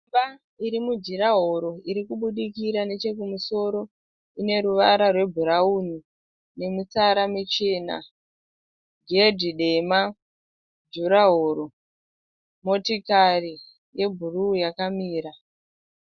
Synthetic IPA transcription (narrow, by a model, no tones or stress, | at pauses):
ba | iɾimud͡ʒiɾaɦo̞ɾo̞iɾikuɓuɗikiɾane̞t͡ʃe̞kumuso̞ɾo̞ | ine̞ɾuʋaɾarwe̞bʱuɾaun̤u | ne̞mut͡saɾamit͡ʃena̰ | ɡedʱiɗe̞ma | d͡ʒuɾaɦoɾo̞ | mo̞tikari | je̞bʱurujakamiːɾa